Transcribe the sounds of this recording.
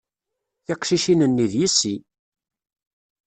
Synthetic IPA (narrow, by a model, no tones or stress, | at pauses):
θɪqʃiʃinənːiðjisːi